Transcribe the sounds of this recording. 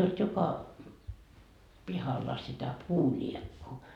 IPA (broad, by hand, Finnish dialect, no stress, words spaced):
olt jokɑ pihɑlːɑ sitæ puːlʲiekːuː